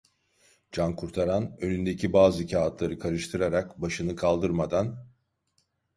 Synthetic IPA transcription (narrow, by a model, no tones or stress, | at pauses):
d͡ʒankʰuɾt̪ʰaɾanø̞nynd̪e̞cʰibaːzɯicʰaːt̪ʰlˠaɾɯkʰaɾɯʃt̪ʰɯɾaɾakbaʃɯnɯkʰalˠd̪ɯɾmad̪an